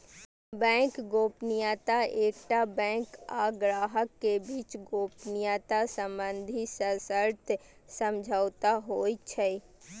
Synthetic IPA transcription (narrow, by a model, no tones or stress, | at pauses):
bɛ̃kɡoːpnijat̪aeːkʈabɛ̃kaɡɾaːɦəkːebiːt͡ʃɡoːpnijat̪asəmbənd̪ʱisəsəɾt̪ | səmd͡ʒʱaʊt̪aɦoːjt͡ʃʰɛ